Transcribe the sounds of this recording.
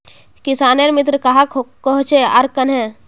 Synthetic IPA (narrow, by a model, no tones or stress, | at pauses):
kɪsaːneɾmɪt̪ɾəkɐɦakkəɦʊt͡ʃeɐɾkənɦɛ̃